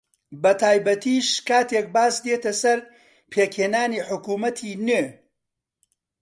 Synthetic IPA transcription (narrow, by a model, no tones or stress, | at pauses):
bɐt̪ʰaːjbɐt̪ʰiːʃkaːt̪ek̚baːsd̪et̪ɐsɐɾ | pʰeːkheːnaːniːħʊkuːmɐt̪ʰiːne